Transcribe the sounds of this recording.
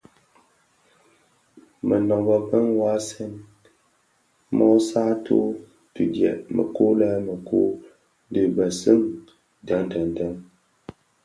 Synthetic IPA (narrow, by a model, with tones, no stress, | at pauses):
mə˨nɔ˨bə˨bə˦ŋwa˦sɛ˦n | mɔ˦saː˦tʰo˦ | tu˨djɛ̰˨ʔmə̰˨ko˦lɛː˦mə˨ko˦ | n˦dɨ˨ba˨sɨ˦m | da˨˦ŋn˦tə˨n˨ta˦ŋ